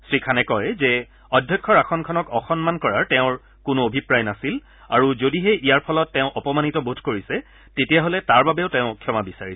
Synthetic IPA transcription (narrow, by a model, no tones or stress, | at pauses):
sɹikʰanɛkɔjzɛ | ɔdʱjɔkʰːɔɹaxɔnkʰɔnɔkɔxɔnmankɔɹaɹtɛʊ̃ɹ | kʊnʊobʱipɹajnasil | aɹuzodiɦɛʔijaɹpʰɔlɔtːɛʊ̃ʔɔpɔmanitɔbodʱkoɹisɛ | tetijaɦolɛtaɹbabɛʊtɛʊ̃kʰjɔmabisaɹis